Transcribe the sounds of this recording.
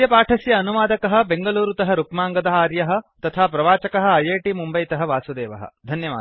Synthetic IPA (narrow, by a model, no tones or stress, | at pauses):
jɐpaːʈʰɐsjɐːnuʋaːd̪ɐkɐɦɐ̆beŋɡɐluːɾut̪ɐɦɐɾukmaːŋɡɐd̪ɐɦaːɾjɐɦɐ̆t̪ɐt̪ʰaːpɾɐʋaːt͡ʃɐkɐɦɐ̆ɐjeːʈimumbɐjt̪ɐɦɐʋaːsud̪eːʋɐ̰ɦɐ̰̆d̪ʱɐnjɐʋa̰ː